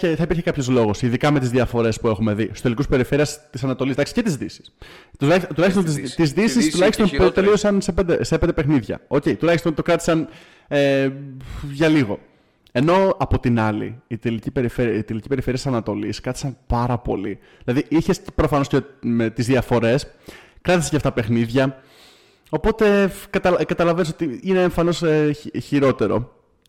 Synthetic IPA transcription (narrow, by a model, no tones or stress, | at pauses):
eθɐipiɾçekɐpço̞zlo̞ɣo̞siðikɐme̞t̪izðiɐfo̞ɾe̞spue̞xume̞ðisu̥st̪elikuspe̞ɾife̞ɾiɐst̪isɐnɐt̪o̞lizd̪ɐksice̞t̪izðisi̥st̪ulɐçiot̪ulɐçst̪ont̪izt̪izðisist̪ulɐçist̪o̞nt̪e̞lio̞sɐnsepend̪esepend̪epexniðʝɐ̰o̞ce̞it̪ulɐçist̪o̞nt̪o̞kɾɐt̪i̥sɐn | e | ʝɐliɣo̞ | e̞no̞ɐpo̞t̪inɐlḭːt̪elicipe̞ɾifeɾiit̪elicipe̞ɾife̞ɾiɐst̪ːisɐnɐt̪o̞liskɾɐt̪i̥sɐnpɐɾɐpo̞̰li | ðilɐðiiçe̞spɾo̞fɐno̞scemet̪izðiɐfo̞ɾe̞skɾɐt̪isecɐft̪ɐpe̞xniðʝɐ | o̞po̞t̪e̞kɐt̪ɐlkɐt̪ɐlɐvenis̬ot̪iineːɱfɐno̞seçiɾo̞t̪e̞ɾo̞̰